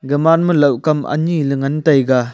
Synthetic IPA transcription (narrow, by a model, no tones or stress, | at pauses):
ɡɐmanmɯlɐwkɐmʔɐ̰nilɯŋɐntɐjɡa